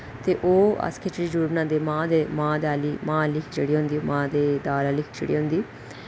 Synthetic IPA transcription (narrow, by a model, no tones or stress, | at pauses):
t̪eːʔoːə̰skʰeːt͡ʃɽiːd͡ʒuɾbnãːnd̪eːmãːd̪eːmãːd̪aːliːmãːlɪkʰd͡ʒeɽiːɦõnd̪iːoːmãːd̪eːd̪aːlaːlɪkʰt͡ʃə̰ɽḭːɦʊ̃nd̪iː